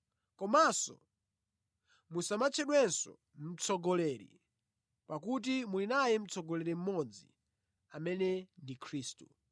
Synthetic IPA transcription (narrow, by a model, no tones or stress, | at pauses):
kɔmasɔ̰ | musamat͡ʃʰɛɗwɛnsɔ̰ | m̩t͡sʰɔɡɔlɛɾḭ | pakut̬imulinajɛm̩t͡sɔɡɔlɛɾim̩mɔd͡zḭ | amɛnɛndikʰɾiːstu